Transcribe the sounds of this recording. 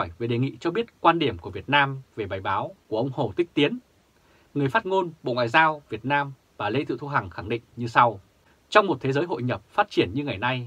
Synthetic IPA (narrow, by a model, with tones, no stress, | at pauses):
ɔ˧˩jve˨˩ɗe˨˩ŋḭ˧˨t͡ɕɔ˧ɓi˦˥ət̚kwaː˧nɗi˧˩əmku˧˩əvi˨˩ət̚naː˧mve˨˩ɓaː˨˩jɓaː˨˦wku˧˩əʔə˧wŋ͡mho˨˩t̪ï˦˥k̟̚t̪i˨˦ən | ŋɨ˨˩əjfaː˦˥t̚ŋo˧nɓo̰˧˨ŋwa̰ː˧˨jzaː˧wvi˨˩ət̚naː˧m | vaː˨˩le˧t̪ʰɨ̰˧˨t̪ʰu˧ɦa˨˩ŋxa˧˩ŋɗḭ˧˨ŋ̟ɲɨ˧sa˧w | t͡ɕɔ˧wŋ͡mmo˨˩t̚t̪ʰe˨˦zəː˨˦jɦo̰˧˨jɲə˨˩p̚faː˦˥t̚t͡ɕi˧˩ənɲɨ˧ŋa˨˩jna˧j